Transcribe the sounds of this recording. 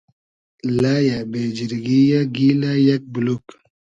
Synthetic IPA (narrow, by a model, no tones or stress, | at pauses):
laːjabeːd͡ʒiɾɡijaɡiːlajak̚buluk